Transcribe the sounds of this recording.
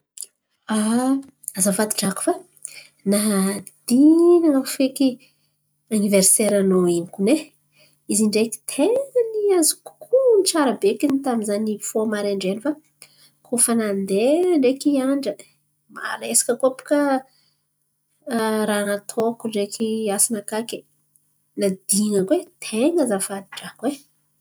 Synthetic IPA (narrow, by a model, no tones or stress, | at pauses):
a | azafad̪i̥ʈ͡ʂaku̥fa | nad̪̥inaŋafeki | aniveɾseɾanoinikune | iziɳɖ͡ʐeki̥t̪ʰeŋaniazi̥ku̥kʰuniʈ͡ʂaɾəbekinit̪aminzanifomaɾeɳɖ͡ʐenifa | kʰufanand̪eɳɖ͡ʐekiaɳɖ͡ʐə | ma̰ɾesḁkəkopi̥ka | ɾanat̪ʰokuɳɖ͡ʐekiasinakake | nad̪iŋəkwet̪ʰeŋəzafad̪i̥ʈ͡ʂakwe